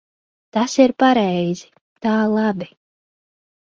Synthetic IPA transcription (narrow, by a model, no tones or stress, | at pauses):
t̪asiɾpaɾɛjz̥i̥ | t̪aːlˠabi